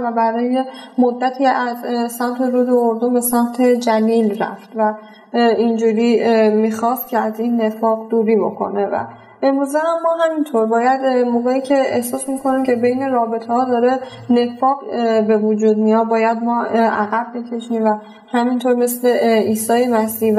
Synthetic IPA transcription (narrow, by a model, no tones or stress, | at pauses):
væbæɾɒːje̞mod̪ːæt̪ʰiːæzsæmt̪ʰe̞ɾuːd̪ooɾd̪ombe̞sæmt̪ʰe̞d͡ʒæliːlɾæ̰ft̪væ | ind͡ʒuːɾiːmiːxɒst̪̚cʲʰeæzinːe̞fɒːɣd̪uːɾiːbo̞̰kʰo̞̰ne̞væ̰ | emɾuːzehæmːɒːɦæmint̪ʰoɾbɒːjæd̪moːɣeiːcʰe̞ehsɒːsmikʰo̞nimcʰe̞be̞jne̞ɾɒːbe̞t̪ʰehɒːd̪ɒːɾe̞ | ne̞fɒːɢbe̞vud͡ʒuːd̪mijɒd̪̚bɒːjæd̪mɒːæɣæbːicʰe̞ʃiːmvæ | hæmint̪ʰoɾme̞sle̞iːsɒːjemæsiːv